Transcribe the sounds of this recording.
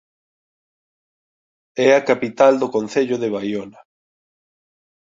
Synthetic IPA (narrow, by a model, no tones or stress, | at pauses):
ɛakapit̪ald̪okonθeʎʊðeβajona